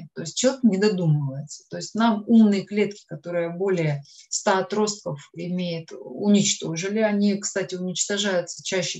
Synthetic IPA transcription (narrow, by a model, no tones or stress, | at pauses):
t̪o̞ɪsʲt̚ʲt͡ɕːɪlˠʲeknʲɪd̪ɐd̪uməvəjɪt̪sə̥t̪o̞ɪsʲtʲnamumnɨjəklʲe̞t̪kʲɪ̥kɐt̪o̞ɾɨjəbo̞lʲɪjəst̪aɐt̪ɾo̞st̪̚kəfɪmʲejɪt̪ʊnʲɪt͡ɕt̪o̞ʐɨlʲɪɐnʲikst̪atʲɪʊnʲɪt͡ɕt̪ɐʐajʊt̪sə̥t͡ɕæɕːɪ